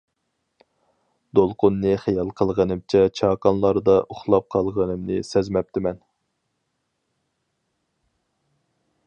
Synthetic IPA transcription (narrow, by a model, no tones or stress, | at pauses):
d̪olˠqʊnːɨχɛjɑlˠqʰəlˠʁənɨmt͡ʃʰɛt͡ʃʰɑːkɑnlˠɑɾd̪ɑʔoχlˠɑp̚qʰɑlˠʁənɨmnɨsɛzmɛp̚t̪ʰɪmɛn